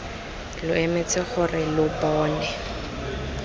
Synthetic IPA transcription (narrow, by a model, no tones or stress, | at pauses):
lʊɛmet͡sɪχʊrɪlʊbɔːnɛ